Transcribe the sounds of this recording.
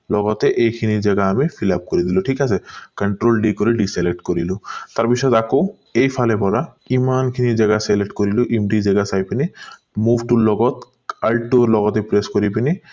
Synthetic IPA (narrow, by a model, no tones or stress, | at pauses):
lɔɡɔt̪eʔejkʰinid͡ʒɛɡaːmifʰilap̚koɾid̪iloʈʰikasʰekəɳʈɾolɖikoɾiɖiselek̚ʈkoɾilut̪aɾpisɔt̪ako | ejpʰalepɔɾa | imankʰinid͡ʑɛɡaseleʈkoɾiloʔimɖid͡ʑɛɡasajpini | mubʱʈulɔɡɔt̪ | alʈoɾlɔɡɔt̪epɾeskoɾipini